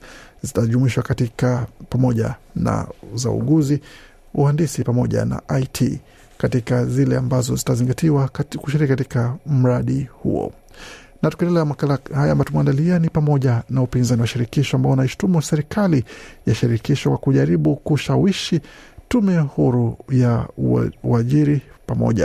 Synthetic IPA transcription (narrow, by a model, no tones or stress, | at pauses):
zitaʄumuiʃwakatikapamɔʄa̰na̰za̰ṵɠuzi | uhandisipamɔʄa̰na̰ʔaitʰḭ | katikazilɛambazɔzitaziŋɡatiwakuʃiɾikikatikam̩ɾaɗihṵɔ̰ | natukɛndɛlɛamakalahajamatumaandalianipamɔʄanaupinzaniwaʃiɾikiʃɔambaɔnaiʃu̥tumusɛɾikʰalijaʃiɾikiʃɔkwakuʄaɾiɓukuʃawiʃitumɛhuɾuja | uaʄiɾipamɔ̰ʄa̰